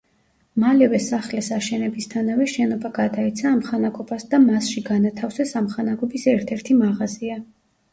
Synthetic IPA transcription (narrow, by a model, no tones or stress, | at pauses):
malɛvɛsaχlɛsaʃɛnɛbist̪ʰanavɛʃɛnɔbaɡad̪aɛt̪sʰaːmχanaɡɔbasd̪amasʃiɡanat̪ʰafsɛsamχanaɡɔbisɛɾt̪ʰɛɾt̪ʰimaʁazia